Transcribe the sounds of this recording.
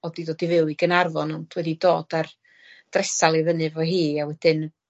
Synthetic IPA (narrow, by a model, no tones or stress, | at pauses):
ɔdidoːdivɪwɨɡənarvɔnɔndʰwɛdidoːd̥ar | d̥rɛsalˠiðənɨvɔɦiːawɛd̥ɨn